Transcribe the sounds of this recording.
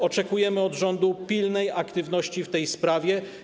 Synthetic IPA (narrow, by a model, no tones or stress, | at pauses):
ɔt͡ʂɛkujɛmɘɔd̪ʐɔnd̪upʲilnɛjakt̪ɘvnɔɕt͡ɕift̪ɛjspɾavʲjɛ